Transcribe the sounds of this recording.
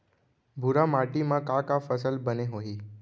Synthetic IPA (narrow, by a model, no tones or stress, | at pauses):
bʱuɾamaʈimãkakafəsəlbəneɦoɦiː